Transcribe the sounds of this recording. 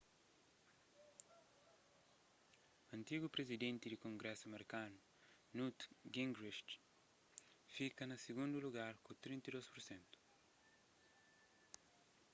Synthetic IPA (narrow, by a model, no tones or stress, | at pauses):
ɐ̃nt̪iɡupɾezid̪ẽnt̪id̪ikõŋɡɾɛsuɐmeɾikanu | nut̪ɡĩŋɡɾiʃt | fikɐnɐsiɡũnd̪uluɡaɾkut̪ɾĩnt̪ɐid̪ospuɾsẽnt̪u̥